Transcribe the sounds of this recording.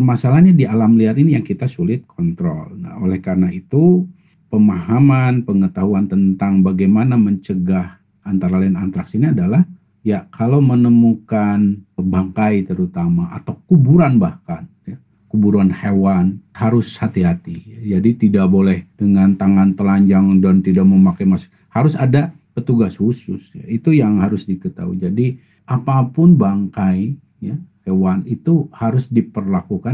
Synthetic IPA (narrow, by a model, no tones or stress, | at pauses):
masalahɲadialamliaɾinijaŋkit̪asulɪt̪̚kʰɔnt̪ɾɔ̰lna̰olɛhkarənait̪u | pəmahamanpəŋət̪aɦuant̪ənt̪aŋbaɡajmanaməɲt͡ʃəɡah | ant̪aɾalainant̪ɾaksiniadalah | jakʰalawmənəmukanəbaŋkait̪əɾut̪amaʔa̰t̪awkubuɾanbahkanja | kubuɾuanhewanhaɾʊshat̪iɦat̪ijad͡ʒadit̪idaʔbolɛhdəŋant̪aŋant̪əlaɲd͡ʒaŋdɔnt̪idaʔ̚məmakamasʊ̥ | haɾʊsada | pət̪uɡashusʊsja̰it̪ujaŋhaɾʊsdikət̪a̰ṵd͡ʒadi | ʔapapʊnbaŋkai | jahewanit̪uhaɾʊsdipərlakuka